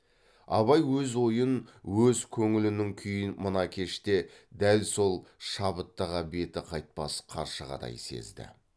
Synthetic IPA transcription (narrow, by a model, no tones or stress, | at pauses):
ɑβɑjwɵzwo̞jənwɵzkʲʰɵŋɪlɪnɪŋkʲʰʏjɪnmənɑkʲʰe̞ʃt̪e̞d̪ælso̞lˠʃɑbət̪ːɑʁɑbe̞t̪ɪqʰɑjt̪̚pɑsqʰɑ̰ɾʃəʁɑ̰d̪ɑ̰jse̞̰zd̪ɪ̰